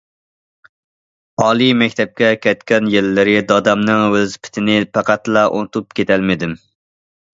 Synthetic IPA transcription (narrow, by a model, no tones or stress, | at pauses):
ɑːlˠimɛkʲt̪ʰɛp̚kʲɛkʲʰɛt̪kʲɛnjelːɪɾɪd̪ɑd̪ɑmnɨŋwøzpʰɪ̥t̪ʰɪnɪpʰæqæt̪lˠɑʔo̰nt̪ʰup̚kʲet̪ʰɛlmɪd̪ɪm